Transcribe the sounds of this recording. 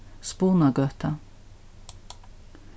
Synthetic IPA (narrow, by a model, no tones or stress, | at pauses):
spuːnɑɡœːt̪ʰɑ